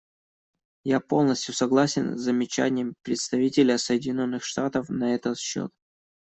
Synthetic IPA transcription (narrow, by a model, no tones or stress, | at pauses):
japo̞lˠnəsʲtʲjʊsɐɡlˠasʲɪnzːəmʲɪt͡ɕæ̰nʲɪjəmpɾʲɪt̪st̪ɐvʲitʲɪlʲəsəjɪdʲɪnʲo̞nːɨxʂt̪at̪əfnɐɛt̪ət̪ɕːo̰t̪̚